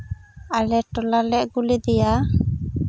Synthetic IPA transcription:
alɛʈɔlalɛʔɡulid̪ɛja

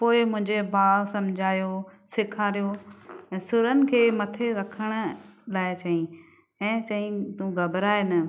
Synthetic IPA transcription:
poːɪmʊ̃ɪ̃ɲd͡ʑebaːsɐmd͡ʑʱaːjosɪkʰaːɾijoɛ̃ːsʊɾənɪ̆kʰeːmɐt̪ʰeɾɐkʰəɽ̃laːɪt͡ɕɐĩ | ɛ̃ːt͡ɕɐĩt̪ũɡɐbɾaːɪnə

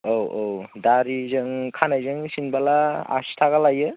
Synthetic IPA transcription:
owʔowdaɾizɯŋkʰanajzɯŋsinbalaa̰si̥tʰaɣalajɯ

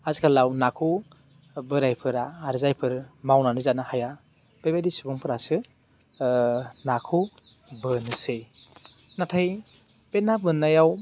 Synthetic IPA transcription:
azikʰalawnakʰu | bɯɾajpʰɯɾaːɾzajpʰɯɾmawnanɯzanahaja | b̥ajbadisibɔŋpʰɯɾasɯ | nakʰu | bɯnɯsɯj | natʰaj | b̥enabɯnːajaw

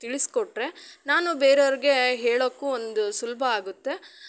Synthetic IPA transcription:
t̪iɭiskɔʈɾe̞naːnubeːɾeɐɾiɡe̞ɦeːɭokːuond̪usulbʱɐaːɡut̪ːe̞

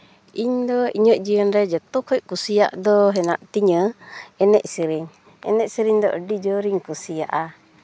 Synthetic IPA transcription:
iɲd̪ɔiɲəʔd͡ʒiənɾɛd͡ʒat̪ɔkɔjkusia̰ʔd̪ɔɦɛnaʔt̪iɲəɛnɛʔsiɾiŋ | ɛ̰nɛʔsiɾiŋd̪ɔʔəɖid͡ʒɔɾiŋkusia̰ʔa

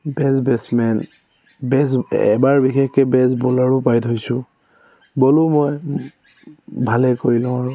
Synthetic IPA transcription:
bɛsbɛsmɛn | bɛsɛ̰baɹbixɛkkɛbɛsbɔlaɹupajtʰojsʊ̃ | bɔlʊmɔj | bʱalɛkoɹilʊ̃aɹu

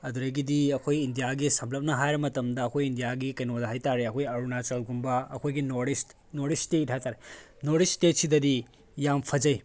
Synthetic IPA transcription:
ɐd̪uɾɐɡidiɐkʰojindijaɡisɐmplɐp̚nɐɦajɾɐmɐtɐmdɐːkʰojindijaɡikɐjnodɐɦajtaɾeɐkʰojɐɾunat͡ʃɐlɡumbɐɐkʰojɡinoɾɾis | noɾisteitʰataɾe | noɾistetsidɐdi | jampʰɐd͡ʒɐj

